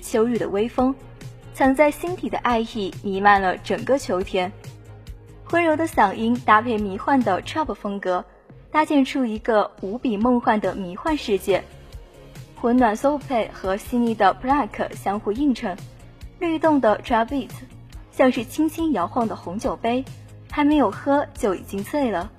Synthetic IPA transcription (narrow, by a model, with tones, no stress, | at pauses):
t͡ɕʰjo˧˥ʊɻy˥˩d̪ə̰˩we˥ɪfɤ˥ŋ | t͡sʰɑ˧˥ŋt͡sa˥˩ɪɕi˥nt̪ʰi˨˩d̪ə̰˦ʔa˥˧ɪi˥˩ni˧˥ma˥˩nlə˩ʈ͡ʂɤ˨˩ŋkə˥˧t͡ɕʰjo˧˥ʊt̪ʰjɛ˥n | xwə˥nɻo˧˥ʊd̪ə˧ɕjɑ˨˩ŋʔi˥nt̪a˥pʰe˥˩ɪmi˧˥xwa˥˩nd̪ə˩ʈ͡ʂʰɹa˥pfɤ˥ŋkɤ˧˥ | t̪a˥t͡ɕjɛ˥˧nʈ͡ʂʰu˥i˧˥ɡə˧u˧˥pi˨˩mɤ˥˧ŋxwa˥˩nd̪ə˩mi˧˥xwa˥˧nʂɻ̩˥˧t͡ɕjɛ˥˩n | xwə˧˥nwa˨˩nso˥pʰe˥˩ɪxɤ˧˥ɕi˥ni˥˩d̪ə˩pʰla˥˩kʰə̰˩ɕjɑ˥ŋxu˧i˥˩˧ŋʈ͡ʂʰɤ˧˥ŋ | le˥˧ɪt̪ʊ˥˩ŋd̪ə˩ʈ͡ʂʰɹa˥pi˥˩t | ɕjɑ˥˧ŋʂɻ̩˥˩t͡ɕʰi˥ŋt͡ɕʰi˥ŋjɑ˧˥ʊxwɑ˥˩ŋd̪ə˩xʊ˧˥ŋt͡ɕjo˨˩ʊpe˥ɪ | xa˧˥me˧˥ɪjo˨˩ʊxɤ˥t͡ɕjo˥˩ʊḭ˨˩t͡ɕi˥ŋt͡sʰwe˥˩ɪlə˩